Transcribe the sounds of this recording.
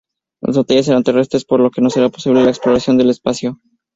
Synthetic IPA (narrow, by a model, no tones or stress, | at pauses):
la̰zβot̪eʝes̬e̞ɾant̪e̞re̞st̪ɾe̞spo̞ɾlo̞ke̞no̞se̞ɾapo̞siβle̞laeksplo̞ɾasjo̞nd̪e̞le̞spasjo̞